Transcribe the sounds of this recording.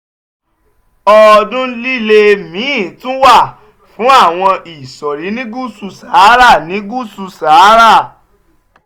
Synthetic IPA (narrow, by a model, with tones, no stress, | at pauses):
ɔ˧dũ˦li˦le˧mĩ˨˦˨tũ˦wa˦˨ | fũ˨˦a˦˨w̃ɔ̃˧i˨sɔ˨ɾi˨˦nĩ˦ɡu˦su˧˨sa˨˦ɾa˦˨nĩ˨˦ɡu˦su˧sa˨˦ɾa˦˨